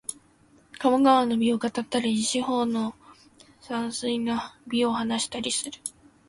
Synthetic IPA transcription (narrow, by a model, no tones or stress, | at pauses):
kamaɡaβano̞bʲio̞kat̪at̪ːaɾʲid͡ʑiɕiho̞ːno̞ | sãɰ̃sɨinabʲio̞hanaɕi̥t̪aɾʲisɨɾɯ̟